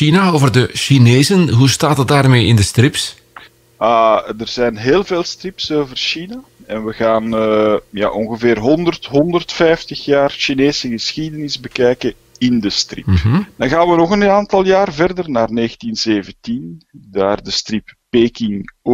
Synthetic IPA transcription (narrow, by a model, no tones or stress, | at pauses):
inaovərdəʃineːzənɦustaːtɑt̚daːrmeːɪndəstrɪps | adərzɛjnɦeːlˠveːlˠstrɪpsoːvərʃinaɛnʋəɣaːnja̰ːʔɔŋɣəveːrɦɔndərtɦɔndərtfɛjftəxjaːrʃineːsəɣəsxidənɪzbəkɛjkə | ɪndəstrɪ̰pdɑnɣaːnʋənɔɣənaːntɑlˠjaːrvɛrdərnaːrneːxətinz̥eːvəntindaːrdəstrɪppeːkɪŋ